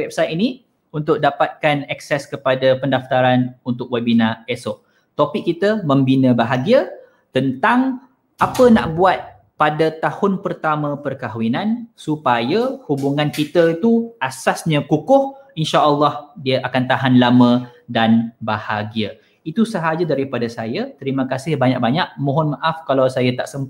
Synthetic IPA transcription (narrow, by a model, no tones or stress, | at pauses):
wɛp̚sajt̪̚ini | unt̪ʊk̚dapat̪̚kanɛksɛskəpadapəndaft̪aɾanunt̪ʊk̚wabinãesoʔ | t̪opɪk̚ːit̪əmə̃mbinə̃baɦaɡiə | t̪ənt̪aŋ | ʔapəna̰ʔbuat̪̚ | padat̪ahʊnpərt̪amə̃pərkaɦwinãnsupajəhubuŋãnkit̪əit̪uasasɲə̃kukʊhinʃaʔəlːɑhdiəʔakant̪aɦanlamə̃danbahaɡiə | it̪usəɦad͡ʒadaɾipadasajət̪əɾimə̃kasɪhbaɲa̰ʔ̚baɲaʔ̚mɔ̃ɦɔnmaʔafkalawsajat̪a̰ʔsəmp